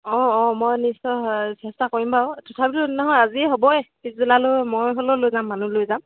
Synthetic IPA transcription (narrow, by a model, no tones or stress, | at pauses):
ɔ̃ɔ̃mojnisɔsɛstakoɹimbawtʰɔtʰabilunɔɦɔjaziɦobɔɛpitzulalomɔjɦololojzamːanulojzam